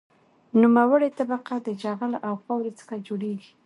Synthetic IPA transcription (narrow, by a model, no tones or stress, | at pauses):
numawəɽet̪abaqad̪əd͡ʒaɣalʔawxawɾet͡sə̥xad͡ʒoɽeɡi̥